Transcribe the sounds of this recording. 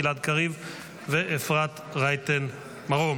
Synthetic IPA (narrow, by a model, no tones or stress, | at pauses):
ilat̪kaʁiv | veʔefʁat̪ | ʁajt̪en | maʁom